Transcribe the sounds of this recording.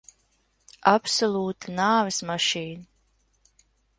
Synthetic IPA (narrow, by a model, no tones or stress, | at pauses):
apsɔlˠuːt̪anaːvɨsmaʃiːna